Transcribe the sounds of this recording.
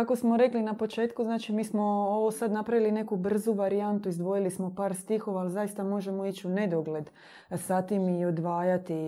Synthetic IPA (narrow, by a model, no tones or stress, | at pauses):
kako̞smo̞ɾe̞klinapo̞t͡ʃe̞ːt̪kuznaːt͡ʃimiːsmo̞oʋosad̪napɾaʋiline̞kubr̩zuʋaɾijant̪uizd̪ʋo̞jilismo̞paːɾst̪ixo̞ʋaːlzajist̪amo̞ʒe̞mo̞it͡ɕune̞d̪oɡle̞d̪ | sat̪imio̞d̪ʋaːjat̪i